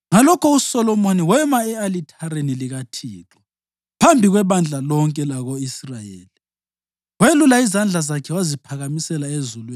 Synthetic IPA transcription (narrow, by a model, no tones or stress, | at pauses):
ŋalɔkʰɔusɔlɔmoniwɛmaɛalitʰaɾeniliɣatʰiːlʰɔ | pʰambʱiɣwɛβand͡ɮʱalɔŋkʼɛlaɣoisrajḛːli | welulaizand͡ɮʱazakʰɛwazipʰaɣamisɛlaezulwe